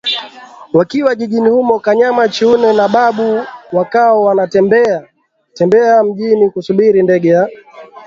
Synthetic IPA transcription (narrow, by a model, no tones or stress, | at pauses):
wakiwaʄiʄinihumɔkaɲamat͡ʃiunɛnaɓaɓuwakaɔwanatɛmbɛa | tɛmbɛam̩ʄinikusuɓiɾindɛɡɛja